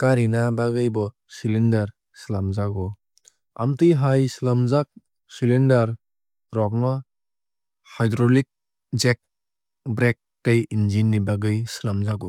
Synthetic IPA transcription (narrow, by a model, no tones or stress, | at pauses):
kaɾinabaɡɯjbɔ | silindaɾ | silamzakɔ | a̰mtiɦajsilamzak̚ | silindaɾ | ɾɔk̚nɔ | hajdɾɔlik̚ | d͡ʒek̚ | bɾek̚tajind͡ʒinːibaɡɯjsilamzakɔ